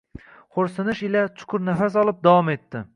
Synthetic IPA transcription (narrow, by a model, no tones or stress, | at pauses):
χʰoɾsɪnɪʃɪlat͡ʃʰʊ̥kʰʊɾnafas̬ɒlˠɪp̚d̪awɒme̞t̪ːɪ